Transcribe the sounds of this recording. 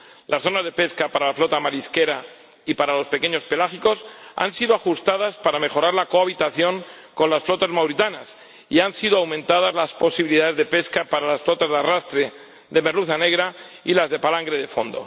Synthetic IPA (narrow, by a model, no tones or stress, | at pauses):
lʔasθo̞nazðe̞pe̞skapaɾalaflo̞t̪amaliske̞ɾa | ipaɾalo̞spe̞ke̞ɲo̞spe̞laxiko̞sa̰nsiðoaxust̪að̞aspaɾame̞xo̞ɾaɾlako̞aβ̞it̪aθjo̞ŋ | ko̞nlasflo̞t̪azmawɾit̪anas | iansiðoawmẽ̞nt̪að̞azlaspo̞siβiliðaðe̞zðe̞pe̞skapaɾalasflo̞t̪azðarast̪ɾe | ðe̞me̞ɾluθane̞ɣ̞ɾailazðe̞palaŋɡɾeð̞e̞fo̞nd̪o̞̰